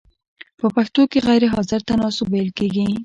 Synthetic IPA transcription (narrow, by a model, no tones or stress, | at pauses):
pəpaxt̪okeɣajɾeɦɑzɪɾt̪anɑsʊbajlkeɡi